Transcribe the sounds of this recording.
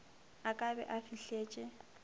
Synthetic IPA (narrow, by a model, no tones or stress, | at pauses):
akʼabɛ̰ʔafiɬeːt͡ʃʼɪ